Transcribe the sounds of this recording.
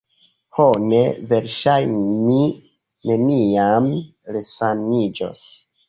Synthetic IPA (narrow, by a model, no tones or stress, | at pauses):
hone̞ve̞ɾʃajnmi | ne̞niam | lesanid͡ʒo̰s